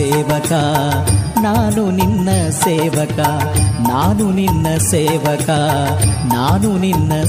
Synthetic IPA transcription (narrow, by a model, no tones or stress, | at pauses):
eːʋɐka | naːnuninːɐseːʋɐkanaːnuninːɐseːʋɐka | naːnuninːɐ